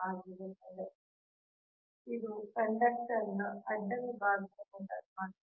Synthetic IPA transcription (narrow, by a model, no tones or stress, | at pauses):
aːɡiɾut̪ːɐd̪e | id̪ukɐɳɖɐk̚ʈɐɾnːɐɐd͡ʒɐnbaːɡisɐkuɳʈɐmaː